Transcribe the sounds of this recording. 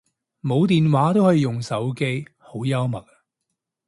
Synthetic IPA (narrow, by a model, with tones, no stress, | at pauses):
mo˨˧wt̪iː˨nwaː˨˥t̪o˥whɔː˨˥ji˨˧jʊ˨ŋsɐ˨˥wke˥jho˨˥wjɐ˥wmɐ˨t̚